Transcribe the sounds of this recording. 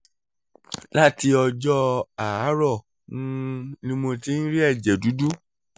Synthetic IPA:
la˦ti˧ɔ˧d͡ʒɔ˦a˨a˨˦ɾɔ˦˨ | nũ˧nĩ˧mõ˧ti˦n̩˦ɾi˦ɛ˦˨d͡ʒɛ˨du˨˦du˦

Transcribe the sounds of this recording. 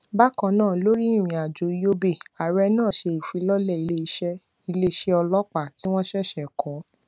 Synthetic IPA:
ba˦kã˧nãː˦˨lo˨˦ɾi˦i˦˨ɾ̃ĩ˨a˨d͡ʒo˨i˧˦jo˦be˦˨a˨ɾɛ˧nãː˦˨ʃe˧i˨fi˨˧˦lɔ˦lɛ˦˨i˧le˦˧˦ʃɛ˦ | i˧le˦˧ʃɛ˦ɔ˧lɔ˦k͡pa˦˨ti˨˦w̃ɔ̃˦ʃɛ˦˨ʃɛ˨kʰɔ˨˦

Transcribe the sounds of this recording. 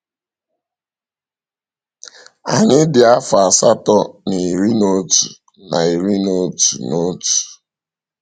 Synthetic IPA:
a̰˨ɲɪ˦dɪ˨a˦fa˨sa˦tɔ˦ni˨ɾi˦no˦tu˨ | na̰˨i˨ɾi˦no˦tu˨no˦tu̥˨

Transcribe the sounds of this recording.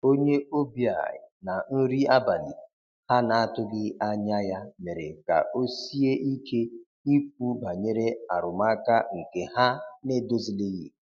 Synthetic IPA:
o˦ɲe˦o˦bi˨a̰˨na˨n̩˦ɾi˦a˦ba˨lḭ˨ | ha˦na˨a˦˨tʊ˦ɡɪ˦a˦ɲa˦ja˦me˨ɾe˨ka̰˨ʔo˦si˦e˦ʔi˦kʰe˦ | i˦k͡p̚u˦ba˨ɲe˦ɾe˦a˨ɾʊ˨ma˦ka˦ŋ̩˨ke˨ɦa˦ne˦˨do˦zi˨le˦ɣi˨

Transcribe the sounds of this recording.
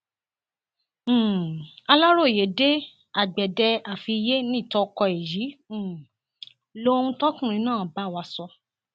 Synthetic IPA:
a˧la˦ɾo˦˨je˨˦de˦ | a˨ɡ͡bɛ˨dɛ˧a˨fi˧je˦nĩ˦˨tɔ˧kɔ˧e˨jĩ˨˦˨ | lo˦˧ũ˧tɔ˦kũ˦˨ɾ̃ĩ˧nãː˦˨ba˦˨wa˧sɔ˧

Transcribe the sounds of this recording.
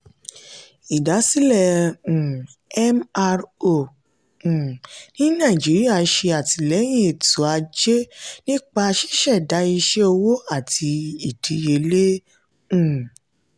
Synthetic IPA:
i˨da˨˦si˦lɛ˦˨ũ˨ɛ˦ma˧ɾo˦˨ | ũ˨nĩ˦nã˦˨i˨d͡ʒe˨˦ɾi˦a˦˨˧ʃe˧a˨ti˧lɛ˨˦j̃ĩ˦e˨tu˨a˧d͡ʒe˦nĩ˦k͡pa˧ʃi̥˦ʃɛ˦˨da˨˦i˧ʃe˦o˧wo˦a˦˨tʰi˧i˨tʰi˨˦je˧le˦ | ũ˦˨

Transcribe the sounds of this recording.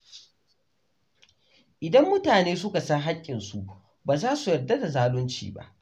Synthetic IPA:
ʔɪ˨dɐ˦mːʊ˦taː˨neː˦sʊ˦ka˨sɐ˦ŋɦa˦kʲʼːɪ˨nsu˨ʔ | baː˨zaː˦su˨jɐ˨rdːɐ˦da˨zaː˦lʊ˦nt͡ʃḭː˨ba̰˦ʔ

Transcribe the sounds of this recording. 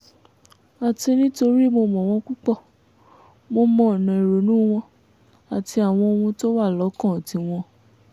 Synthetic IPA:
a˨ti˧nĩ˦to˧ɾi˦˨mo˧mɔ̃˨w̃ɔ̃˧k͡pu˦k͡pɔ˦˨ | mo˧mɔ̃˦˨nã˨e˨ɾo˨˦nũ˦w̃ɔ̃˧ | a˨ti˧a˨w̃ɔ̃˧o˧ũ˧to˦wa˦˨lɔ˨˦kã˦˨ti˨˧w̃ɔ̃˧

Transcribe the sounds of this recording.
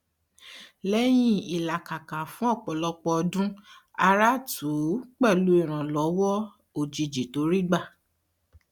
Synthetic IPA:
lɛ˦j̃ĩ˦i˨la˨ka˨kã˨fũ˨˦ɔ˦˨k͡pɔ˨lɔ˧k͡pɔ˧ɔ˧dũ˦ | a˧ɾa˦tʰu˨˦k͡pɛ˦˨lu˨˦i˦˨ɾ̃ã˨lɔ˨˦wɔ˦ | o˨d͡ʒi˨d͡ʒi˨to˨˦ɾi˦ɡ͡ba˦˨

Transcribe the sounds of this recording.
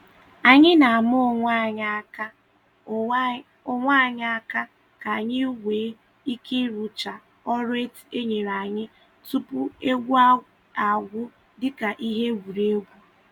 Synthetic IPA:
a˨ɲɪ˦na˨a˨mʊ˦˨ŋʷa˦˨ɲ˦ka˦ | ʊ˦ŋʷa˦˨ɲ˦a˦ka˦ | ka˨a˨ɲɪ˦ɡʷeː˨˦ | i˦ki˦ɾu˨t͡ʃa˨ | ɔ˦ɾe˦te˦ɲe˨ɾa˨ɲɪ˦ | tu˦pʊ˦e˦ɡʷu˦a˦ | a˨ɡʷʊ˦ | dɪ˦ka˨ʔi˦ɦe˦ɡʷu˨ɾe˦ɡʷu˦

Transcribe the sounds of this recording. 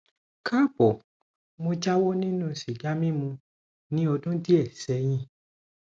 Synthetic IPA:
kʰa˦˨bɔ˨ | mõ˧d͡ʒa˦wɔ˦nĩ˦nũ˦˧˨si˨ɡa˨˦mĩ˦mũ˧ | nĩ˨˦o˧dũ˦ti˦ɛ˦˨sɛ˨˦j̃ĩ˧

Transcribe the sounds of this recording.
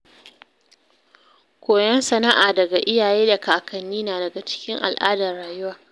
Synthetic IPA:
kʷoː˨jɐ˦nsɐ˨na˦ʔaː˨dɐ˨ɡa˨ʔɪ˦jaː˨jeː˦da˨kaː˨kʰɐ˨nːiː˦naː˨dɐ˨ɡa˨t͡ʃɪ̥˦kʲɪ˦ŋʔa̰˨lʔaː˦dɐ˨rɽaː˨jʊ˦waː˨

